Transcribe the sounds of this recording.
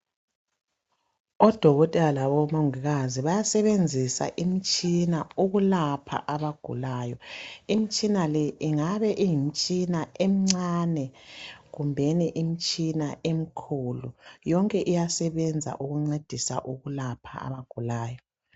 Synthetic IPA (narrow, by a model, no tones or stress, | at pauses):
ɔd̥ʱɔɣɔtʼɛlaβɔmoŋiɣaziβajasɛβend͡zʱisa̰ʔim̩t͡ʃʼinauɣulapʰa̰ʔaβaɡ̥ʱṵlaːjɔimit͡ʃʼinalɛʔiŋaβɛʔijim̩t͡ʃʼinaem̩ŋ͡ǀaːnɛɣumbʱeniʔim̩t͡ʃʼinaem̩kʰulujɔŋkʼɛʔijasɛβɛnd͡zʱa̰ʔuɣuŋ͡ǀed̥ʱisa̰ʔuɣulapʰa̰a̰βaɡ̥ʱulaːjɔ